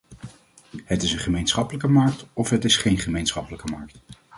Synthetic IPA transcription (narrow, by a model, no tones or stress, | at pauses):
ɦətɪsə̃nχəmejnsχɑpələkəmɑɹk̚tɔfɦətɪsχejnχəmejnsχɑpələkəmɑɹk̚t